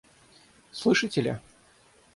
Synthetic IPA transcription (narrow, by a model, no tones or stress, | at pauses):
slˠɨʂɨtʲɪlʲɐ̰